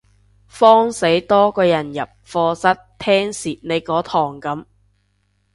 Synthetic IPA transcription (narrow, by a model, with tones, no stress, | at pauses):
fɔː˥ŋse˨˥jt̪ɔː˥kɔː˧jɐ˨˩njɐ˨p̚fɔː˧sɐ˥tt̪ʰɛː˥ŋsiː˨t̚ne˨˧jkɔː˨˥t̪ʰɔː˨˩ŋkɐ˨˥m